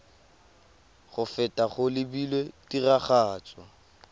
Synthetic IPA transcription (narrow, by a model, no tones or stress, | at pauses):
χʊfɛtʼaχʊlɪbilwetiraχaːt͡sʼɔ̰